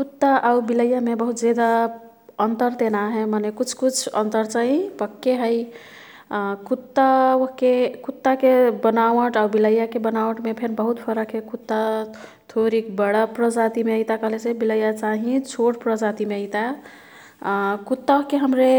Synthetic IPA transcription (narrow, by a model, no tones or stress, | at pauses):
kut̪ːaʔaubiləjːamebəɦut̪d͡ʒed̪a | ənt̪əɾt̪enaɦɛmanekut͡ʃʰkut͡ʃʰə̰nt̪əɾt͡ʃaĩpəkːeɦəj | kut̪ːawoɦkekut̪ːakebənawəʈaubiləjːakebənawəʈmepʰeɾbəɦut̪pʰəɾəkɦekut̪ːa | t̪ʰoɾikbəɽəpɾəd͡ʒat̪imeəjt̪akəɦlesebiləjat͡ʃaɦĩt͡ʃʰoʈpɾəd͡ʒat̪imeəɪt̪a | kut̪ːaoɦkeɦəmɾe